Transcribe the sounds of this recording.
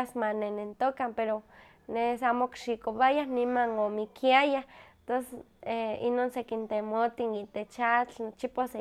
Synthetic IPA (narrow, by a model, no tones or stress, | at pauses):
smanenent̪okampeɾo | nesamokʃikoβajahnimanomikʰiajaht̪oss | einonsekint̪emot̪init̪et͡ʃat͡ɬnot͡ʃipase